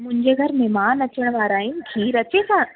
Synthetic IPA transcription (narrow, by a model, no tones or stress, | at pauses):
mʊ̃ɪ̃ɲd͡ʑeɡʱɐɾmẽːmaːnɐt͡ɕəɽ̃ʋaːɾaːɦĩnkʰiːɾɐt͡ɕekʰãː